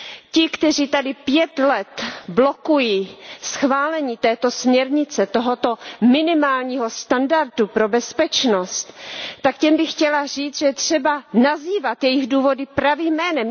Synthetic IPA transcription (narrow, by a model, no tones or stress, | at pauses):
cɪkt̪ɛriːt̪adɪpjɛt̪lɛt̪blo̞kujisxvaːlɛɲiːt̪ɛːt̪o̞smɲɛɾɲɪt͡sɛt̪oɦo̞t̪o̞mɪnɪmaːlɲiːɦo̞st̪andaɾt̪upɾo̞bɛspɛt͡ʃnost̪t̪akcɛmbɪxcɛlar̝iːt͡sʒɛjɛt̪r̝̥ɛbanaziːvat̪jɛjɪɣduːvo̞dɪpɾaviːmːɛːnɛm